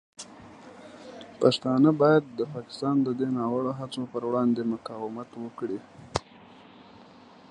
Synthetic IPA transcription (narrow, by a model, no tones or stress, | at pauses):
paʂt̪ɑnəbɑjad̪ːəpɑkɪ̥st̪ɑnd̪əd̪enɑwəɽoɦat͡sopəɾwɽɑnd̪emʊkɑwɪmat̪wəkɽi